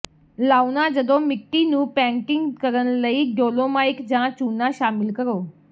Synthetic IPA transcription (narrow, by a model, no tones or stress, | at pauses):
laːunad͡ʒəd̪õmɪʈːinũːpɛ̃ːɳʈɪŋɡkəɾənləiɖoːlomaːɪkd͡ʒãt͡ʃuːnãʃaːmɪlkəɾoː